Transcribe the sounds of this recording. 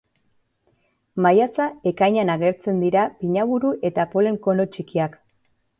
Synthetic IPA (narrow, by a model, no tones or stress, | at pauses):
majat͡sae̞kajɲanaɣe̞ɾt͡se̞nd̪iɾapiɲaβuɾuʔe̞t̪apo̞le̞ŋko̞no̞t͡ʃikiak